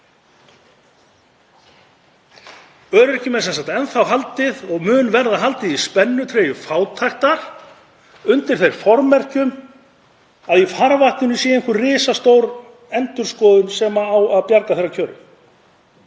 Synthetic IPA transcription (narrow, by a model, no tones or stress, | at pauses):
œːɾʏɾɛcɪmɛsɛnsaht̪ɛnθawɦalt̪ɪðɔɣmʏːnvɛɾðaɦalt̪ɪðispɛnːʏt̪ʰɾeːjʏfaːwt̪ʰajht̪aɾ̥ | ʏnt̪ɪɾ̥θejɾ̥fɔɾmɛr̥cʏm | aðifaɾvaht̪nʏnʏsjɛːɛŋkʏrrɪːsast̪owɾ | ɛnt̪ʏɾ̥skɔːðʏnsɛmaawaðpjaɾkaθejɾːacʰœːɾʏ̰